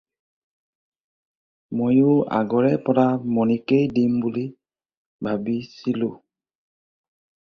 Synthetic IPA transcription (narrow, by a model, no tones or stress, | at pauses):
mojʊa̰ɡɔɹɛpɔɹamɔnikejdimbuli | bʱabisilʊ